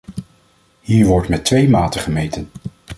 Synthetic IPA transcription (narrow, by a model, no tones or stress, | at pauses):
hiːɹʋɔɹtmɛtʋejmaːtəχəmejtən